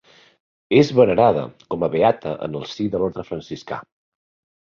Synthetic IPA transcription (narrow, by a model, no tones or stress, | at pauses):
ezβənəɾaðə̰kɔməβeat̪ə̰ʔə̰nəlˠsiðəloɾt̪ɾəfɾənsiska̰